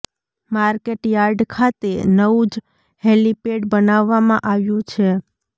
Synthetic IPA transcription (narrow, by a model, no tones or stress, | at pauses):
maɾkeʈjaɾɖkʰat̪enəʋũd͡ʒ | ɦelipeɖbənaʋːamãʔaʋjũt͡ʃʰe